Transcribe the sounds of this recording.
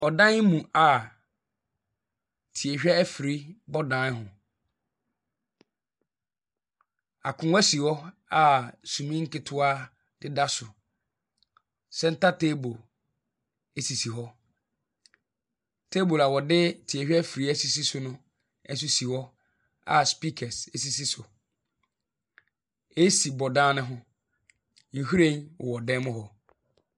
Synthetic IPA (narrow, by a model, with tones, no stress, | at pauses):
ɔ˨dã˦n˦mũ˨a˨ | tʰi˨e˨ɛ˦ɛ˦fɾi˦bɔ˦dã˨˦n˦ɦʊ̃˨ | a˨kʰʊ̃˨˦ɛ˦si˨wɔ˦ | a˨sũ˨mĩ˦ŋ̩˦kɪ˦tʰʊ˦a˦ | d̥ɪ˦da˦sʊ˨ | sɛ˦n̩˦ta˦tʰe˦bo˨l | e˦si˨si˨ɦɔ˦ | tʰe˦bo˨la˨wɔ˨dɪ˦tʰi˨ɛ˨hᶣi˦ɛ˦fi˨ɾi˨˦æ˦si˨si˦sʊ˦nʊ̃˦ | ɛ˦n˦s̬ʊ˦si˨wɔ˦ | a̰˨spi˦kʰɛ˨se˦si˨si˦sʊ˨ | e˦si˨bɔ˨dãː˦nɪ̃˦ɦʊ̃˦ | ŋ̩˨hu˦ɾẽ˦nwɔ̰˨wɔ˨dɛ̃˦mʊ̃˦hɔ˨